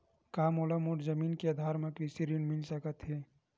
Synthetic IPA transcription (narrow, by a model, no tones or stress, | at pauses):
kaːmolamoːʈzəmiːnkead̪ʱaːɾmẽkɾisiɾinmɪlsəkət̪ɦɛː